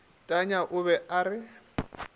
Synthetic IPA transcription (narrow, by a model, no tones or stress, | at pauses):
tʼaɲaʔʊβɛʔaɾɪ